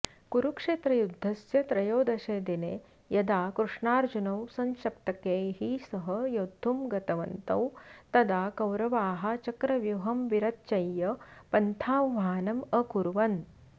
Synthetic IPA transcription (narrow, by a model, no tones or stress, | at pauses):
kuɾukʂeːt̪ɾɐjud̪ʱːɐsjɐt̪ɾɐjoːd̪ɐʃeːd̪ine | jɐd̪aːkɾuʂɳaːɾd͡ʒunɐwsɐŋʃɐp̚t̪ɐkeːɦisɐɦɐjod̪ʱːumɡɐt̪ɐʋɐ̰nt̪ɐ̰wt̪ɐd̪aːkɐwɾɐʋaːɦɐ̆t͡ʃɐkɾɐʋjuɦɐmʋiɾɐt̪̚t͡ʃɐjːɐpɐnt̪ʰaːʋaːnɐmɐkuɾuʋɐn